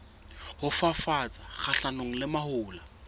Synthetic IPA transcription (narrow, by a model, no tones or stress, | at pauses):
hʊfafat͡sʼak͡xaɬanoŋ̩lɪmahʊːla